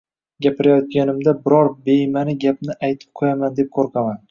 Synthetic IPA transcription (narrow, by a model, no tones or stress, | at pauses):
ɡʲapʰɪɾajɒt̪̚ɡʲanɪmd̪abɪɾɒɾbe̞jmanɪɡʲap̚nɪʔajt̪ʰɪ̥p̚qʰojamand̪e̞p̚qʰoɾqʰɑman